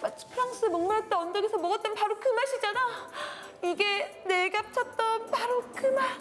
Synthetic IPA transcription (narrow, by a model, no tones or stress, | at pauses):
mat͡ɕʰi̥pʰɯɾʌŋs͈ɯmʌŋmaɭʌt͈ʌʌndʌɡesʰʌmʌɡʌt͈̚ʌnpaɾokɯmaɕʰid͡ʑana | iɡeneɡap̚t͡ɕʰʌt̚t͈ʌnpaɾokɯma